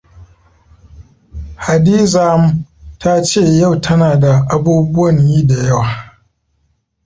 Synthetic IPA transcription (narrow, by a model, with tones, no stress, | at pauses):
ha˨diː˦za˦m˦tʰa˦t͡ʃeː˦˨ja˦˨wtʰɐ˦naː˨da˨ʔa˦buː˦bʊ˦wɐ˨ɲjiː˦da˨jɐ˦waː˨